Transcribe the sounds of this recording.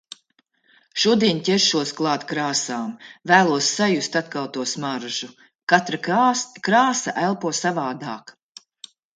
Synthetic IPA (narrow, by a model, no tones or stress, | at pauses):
ʃuɔd̪iɛɲʲtʲɛɾʃuɔsklˠɑːt̪kɾaːsaːmvæːlˠuɔsːajust̪at̪kawt̪uɔsmaɾʒu | kat̪ɾakɾaːsa̰ʔælˠpuɔsavaːd̪aːk